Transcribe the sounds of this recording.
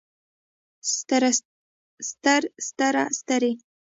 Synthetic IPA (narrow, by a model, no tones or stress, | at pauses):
st̪aɾst̪aɾa̰st̪aɾe